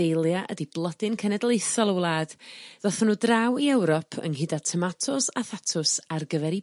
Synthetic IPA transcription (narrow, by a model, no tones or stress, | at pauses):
ejlˠjaʔə̰diblˠədɪnkʰɛnɛdlˠejsɔlˠəwlˠaːd̥ðɔθɔnuːdrawiɛwɾɔpʰə̰ŋɦɪdatʰəmatʰɔsaθatʰʊsarɡəvɛɾi